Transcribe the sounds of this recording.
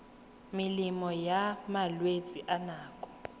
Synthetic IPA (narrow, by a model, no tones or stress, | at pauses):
mɪlimɔjamalwet͡sʼiʔanaːkʼɔ̥